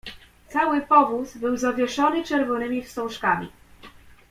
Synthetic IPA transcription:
t̪sawɘpɔvuzbɘwzavʲjɛʂɔnɘt͡ʂɛɾvɔnɘmʲifst̪ɔ̃w̃ʂkamʲḭ

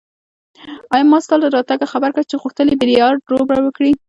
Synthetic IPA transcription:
ɑjɑmɑst̪ɑld̪əɾɑt̪aɡaxabaɾkat͡ʃeɣuxt̪əlibɪɾijɑɾɾobɽawəkɽi

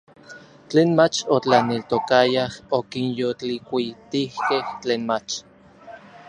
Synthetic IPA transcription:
t͡ɬeːnmat͡ʃot͡ɬanelt̪okajahokinjot͡ɬikʷit̪ihkeht͡ɬeːnmat͡ʃ

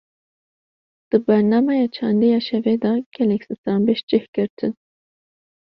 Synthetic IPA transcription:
d̪̥ɨbɛɾnɑːmɛjɑːt͡ʃʰɑːnd̪ijɑːʃɛvɛd̪ɑːɡ̥ɛlɛkʲsɨst̪ɑːnbeʃd͡ʒɪhɡɨɾt̪ʰɨn

